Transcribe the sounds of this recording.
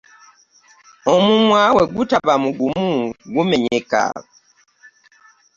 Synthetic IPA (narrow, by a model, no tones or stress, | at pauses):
omumwaweɡutabamuɡumuɡumeɲeka̰